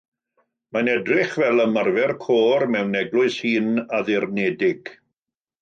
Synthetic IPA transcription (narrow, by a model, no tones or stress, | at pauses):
manɛdrɪχvɛlˠəmarvɛrkʰoːrmɛwnɛɡlˠʊɨshiːnaðɪrnɛdɪɡ̥